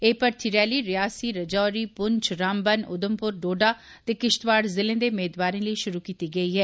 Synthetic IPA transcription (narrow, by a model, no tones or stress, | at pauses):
eːpəɾt̪ʰiɾɛːliːɾɪjaːsiːɾəd͡ʒɔːɾiːpʊɲt͡ʃɾãːmbənʊ̰d̪əmpʊɾɖoːɖaː | t̪eːkɪʃt̪ʋaːɽzɪlẽːd̪eːʊmeːd̪ʋaːɾẽːləiʃʊɾuːkiːt̪iːɡəiːɦɛː